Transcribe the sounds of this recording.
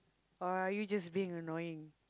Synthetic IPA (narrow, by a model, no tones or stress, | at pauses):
aajud͡ʒasbiɪ̃ŋənɔjɪ̃ŋ